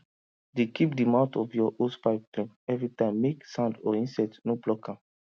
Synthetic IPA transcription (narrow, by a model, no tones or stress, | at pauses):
dekip̚dimãtɔvjɔʔotpaɪpplẽnɛvɹitãɪ̃mːeksãʊ̃ndɔĩnsɛtnoblɔkʰã